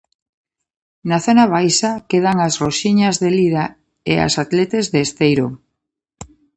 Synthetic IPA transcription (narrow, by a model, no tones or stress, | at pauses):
naθonaβ̞ajsakeð̞aŋasroʃiɲazðeliða | ḛa̰sat̪let̪ezðeːst̪ejɾo